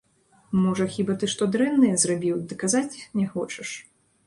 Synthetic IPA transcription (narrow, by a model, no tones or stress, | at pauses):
mɔʐɐxʲibat̪ɨʂt̪ɔd̪ɾɛnːɨjɛzrabʲiwd̪ɨkazat͡sʲnʲɛxɔt͡ʂɐʂ